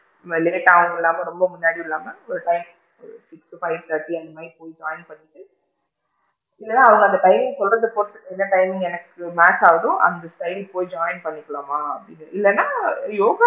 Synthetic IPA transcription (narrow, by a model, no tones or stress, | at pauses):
lɪnɪʈːaːʋɐŋɡɐɪlːaːmɐɾɔmbɐmʊnːaːɽiɪlːaːmɐɔɭːɐʈɐɪm | sɪksʈufɐɪʋt̪ɐɾʈːiɐnmaːipoːjd͡ʒaːɪnpɐɳːɪʈːɯ | ɪlːɛnːãːɐʋɐŋɡɐnd̪ɐʈɐɪmɪ̃ŋɡsɔlrɐðɯpoːɾt̪ːɯkːɛnːɐʈɐɪmɪ̃ŋɡɛnɐkːɯmaːsaːʋɐðʊ̃ʔɐ̰nd̪ɐsʈɐɪɽipoːjid͡ʒaːɪnpɐɳːɪkːɐɭomaːɐpːɐɽɪnɐʔɪlːɛnːaːjoːɡɐ